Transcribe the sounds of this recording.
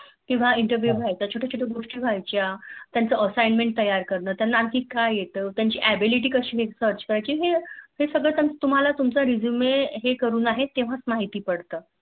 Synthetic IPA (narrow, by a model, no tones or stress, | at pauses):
kĩw̃ʋaiɳʈəɾʋjuːbʱajt͡ɕat͡ɕʰoʈʰat͡ɕʰoʈʰeɡoʂʈiːbʱajt͡ɕjat̪jant͡səəsajnmeɳʈ̚t̪əjaɾkəɾɳəːt̪janːaːmkiːkajjet̪əːt̪jaɲt͡ɕiːʔæbiliʈ̬iːkəɕiːɦesəɾt͡ɕkəɾajt͡ɕiːɦeɦesəɡɭəːt̪jamət̪um̤alat̪umt͡saɾid͡zumeɦekəɾuːnaɦet̪ːeʋ̤at͡smaɦit̪iːpəɽt̪əː